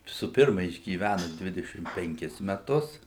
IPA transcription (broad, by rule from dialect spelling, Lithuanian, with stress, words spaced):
sʊ ˈpʲɪrmɐ ɪʒʲɡʲiːˈʋʲænʊ ˈdʲʋʲɪdʲɛʃʲɪm pʲɛŋʲˈkʲɪs mʲɛˈtʊs